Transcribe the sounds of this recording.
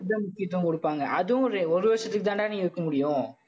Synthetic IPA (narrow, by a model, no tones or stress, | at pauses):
ðɐmʊkːɪjɐt̪ːʊkɔɽɯpːaːŋɡɐʔɐðɯ̃ɾɔɾɯʋeːsɐt̪ːɯkːɯt̪ːaːnʈaːnĩŋɡɪɾɯkːɐmʊɽɪjʊ̃